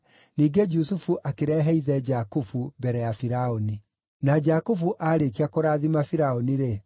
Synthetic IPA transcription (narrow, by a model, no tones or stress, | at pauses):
niːɡed͡ʒusufuʔakeɾɛɦɛiðɛd͡ʒakufubɛɾɛjafiɾaoni | nad͡ʑakufuʔaːɾekiakoɾaːðimafiɾaoniɾe